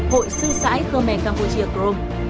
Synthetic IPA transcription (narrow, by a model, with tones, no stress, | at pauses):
ho̰˧˨jsɨ˧sa̰ː˧˥jxə˧mɛ̰˧˩kaː˧˩mpṵ˧˩t͡ɕi˨˦əkɾo˧m